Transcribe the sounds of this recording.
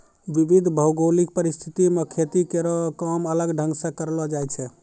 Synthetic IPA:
ʋibid̪ʱbʱəwɡolik̚pəɾist̪ʰit̪imekʰet̪ikeɾɔkəmələɡɖʱə̃ŋɡsẽkəɾlɔd͡ʒajt͡ʃʰɛ

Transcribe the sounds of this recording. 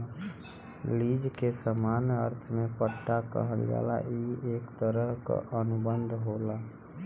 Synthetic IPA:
lid͡ʒkesəmanəɾt̪ʰmepəʈːakə̰ɦəld͡ʒa̰la̰iekt̪əɾəɦka̰ʔənubənd̪ʱɦola

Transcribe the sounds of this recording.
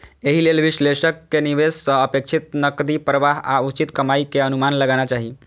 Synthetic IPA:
eɦilelʋisleʃəkːeniʋessəəpekʃʰit̪̚nəkd̪ipɾəʋaɦa̰ut͡ʃit̪kəmaikeənumanləɡañat͡ʃaɦi

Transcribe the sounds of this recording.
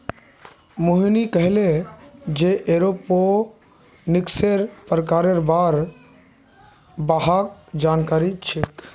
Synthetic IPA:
moɦinikəɦɪled͡ʒeʔeɾopo | nɪkseɾpɾəkaːɾeɾbaɾ | baɦak̚d͡ʒaːnkaːɾit͡ʃʰit̪

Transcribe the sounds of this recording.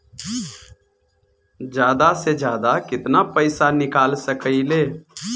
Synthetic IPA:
d͡ʒjaːd̪ased͡ʒjaːd̪akɪt̪napəɪsanɪkaːlsəkəileː

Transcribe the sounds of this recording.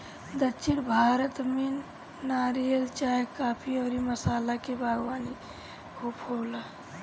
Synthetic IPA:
d̪ət͡ʃʰɪɽbʱaːɾət̪minː | aːɾijəlt͡ʃaːkaːpʰiɔːɾiməsaːlakebʱaːɡʋaːni | hopʰoːla

